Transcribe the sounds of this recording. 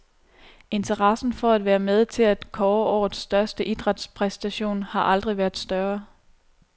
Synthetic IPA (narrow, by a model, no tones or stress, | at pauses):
e̝nt͡sʰɐʁɑ̈sn̩fɒ̽æd̥ʋæːɐmeð̞ˠt͡sʰe̝læd̥kʰɒːɒ̰ːð̩ˠsd̥ɶɐsd̥əʔid̥ʁad̥spʰʁɛsd̥æɕo̝̰ːnhɑ̈ʔɑ̈ld̥ʁiʋæɐðˠsd̥ɶɐ